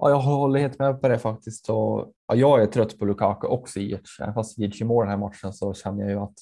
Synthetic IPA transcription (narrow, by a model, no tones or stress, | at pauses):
ʔɑ̰ːjɑːɦhɔlːəheːt̪mɛpʰɔd̪ɛfak̚t̪ɪst̪ɔʔɑ̰jɑːɡæɾʈ̪ʰɾœt̪ːpʰɔlʉkʰɑːkʊʔɔksɔɪjɪ̰ʈɛ̰vnfast̪vɪʂɪmoːd̪ɛnhæːɾmat̪ʂənsɔɕɛnːəjɑ̰jɵat̪